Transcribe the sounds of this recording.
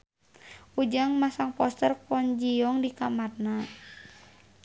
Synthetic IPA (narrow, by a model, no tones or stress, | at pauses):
ud͡ʒaŋmasaŋpɔst̪ərpɔnd͡ʒiɔŋdikamarna